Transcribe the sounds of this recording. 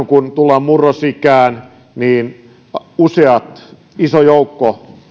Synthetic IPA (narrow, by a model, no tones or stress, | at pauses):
kunt̪ulːɑːmmurːosikæːn | niːn | useɑt̪ | isojoukːo